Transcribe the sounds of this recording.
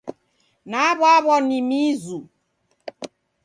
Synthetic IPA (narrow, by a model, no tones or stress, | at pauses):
naβɔaβɔnimizu